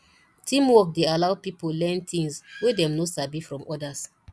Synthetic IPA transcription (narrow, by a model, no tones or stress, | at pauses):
tʰĩmwɔk̚dealawpipolɛ̃ntĩŋswedɛ̃mnosabifɹɔ̃mʔɔdas